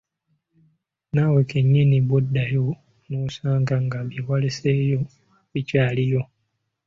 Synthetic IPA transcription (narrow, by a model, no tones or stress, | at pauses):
nawekeɲːiniβwodːajo | nusaːŋɡaŋɡaβiwalesejo̞ | icaːlijo̞